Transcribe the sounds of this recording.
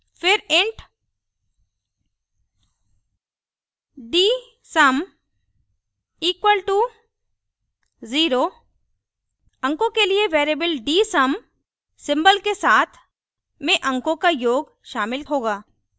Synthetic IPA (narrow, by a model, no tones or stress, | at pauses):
fʰɪɾɪ̃ɳʈ | ɖiː | sɐm | iːkwəlʈu | ziːɾoː | ɐ̃ŋkõkelieʋeːɾebəlɖiːsɐm | sɪ̃mbəlkesaːt̪ʰ | mẽʔɐ̃ŋkõkajoːɡ | ʃaːmɪlɦoːɡaː